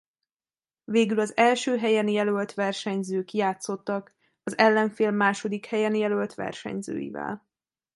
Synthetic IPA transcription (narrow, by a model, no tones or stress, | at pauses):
veːɡylɒzɛlʃøːɦɛjɛnjɛlølt̪ʋɛrʃɛɲzøːkjaːt̪so̞t̪ːɒk | ɒzɛlːɛɱfeːlmaːʃo̞d̪ikhɛjɛnjɛlølt̪ʋɛ̰rʃɛ̰ɲzø̰ːjḭvɛ̰l